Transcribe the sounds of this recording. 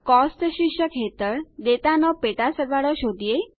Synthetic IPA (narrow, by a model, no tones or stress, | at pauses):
kɔsʈʃikʃəkʰet̪əɾd̪et̪anɔpeʈ̪asəɾʋaɽɔʃod̪ije